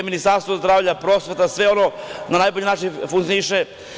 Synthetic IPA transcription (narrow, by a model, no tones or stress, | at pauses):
minist̪aɾst̪vozd̪ɾaːvʎapɾo̞sʋet̪asʋe̞o̞nonanajbo̞ʎinat͡ʃinfuŋk̪t̪ioiʃe